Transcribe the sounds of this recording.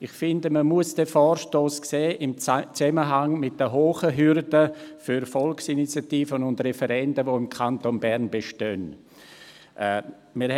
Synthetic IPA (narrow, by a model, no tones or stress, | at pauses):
ɪχfɪndəməmuəsd̥ɛfɔːɾʃtoːskseːʔɪmt͡sɛməɦaŋmɪt̚d̥əɦoːχəɦʏɾdəfyɾfɔlksinit͡sjatiːfənʊndrɛfɛɾɛndəvoɪmkʰantonbɛɾnbeʃtœn | ʔɛ | mɪɾ